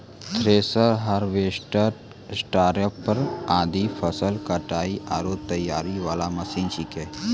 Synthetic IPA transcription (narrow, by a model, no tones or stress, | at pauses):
t̪ʰɾeːsəɾɦəɾʋeːsʈəɾ | sʈaːɾəpːəɾaːd̪ipʰəsəlkəʈaːiʔa̰ːɾoːt̪əjːaːɾiʋaːlamɐsiːnt͡ʃikeː